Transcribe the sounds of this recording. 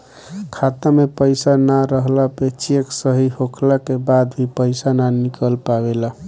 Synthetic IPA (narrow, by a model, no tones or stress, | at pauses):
kʰat̪əmepəjsanaɾəɦlapet͡ʃeksəɦiɦokʰlakebad̪bʱipəɪsananikəlpabela